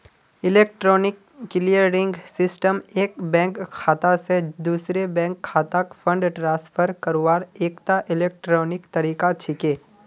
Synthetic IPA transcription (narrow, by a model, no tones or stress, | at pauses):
ɪleːk̚ʈɾɔːnɪkː | ɪlijəɾɾɪ̃ŋɡsɪsʈəmeːkbɛ̃ːŋkʰːaːt̪ased̪uːsɾebɛ̃ːŋkʰːaːt̪akfʰə̃ɳɖʈɾãːspʰəɾkəɾoaːɾeːkt̪aʔɪleːk̚ʈɾɔːnɪkt̪ɐɾiːkat͡ʃʰɪkeː